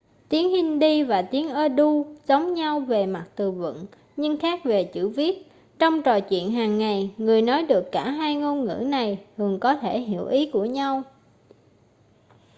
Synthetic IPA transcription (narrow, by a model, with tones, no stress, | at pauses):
t̪i˨˦əŋhï˧ŋ̟ɗi˧vaː˨˩t̪i˨˦əŋʔəː˧ɗu˧zə˨˦wŋ͡mɲa˧wve˨˩ma˨˩t̚t̪ɨ˨˩və̰˧˨n | ɲɨ˧ŋxaː˦˥k̚ve˨˩t͡ɕɨ̰˧˩vi˦˥ət̚ | t͡ɕɔ˧wŋ͡mt͡ɕɔ˨˩jt͡ɕwḭ˧˨ənɦaː˨˩ŋːa˨˩jŋɨ˨˩əjnɔ˨˦jɗɨ˨˩əkːaː˧˩ɦaː˧jŋo˧nŋɨ̰˧˥na˨˩jh̪ɨ˨˩əŋkɔ˨˦t̪ʰe˧˩ɦi˧˩əwʔi˨˦ku˧˩əɲa˧w